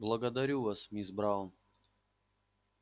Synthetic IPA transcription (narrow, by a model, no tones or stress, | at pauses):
blˠɐɡɐd̪ɐɾʲuʋɐsmʲisbɾawʊn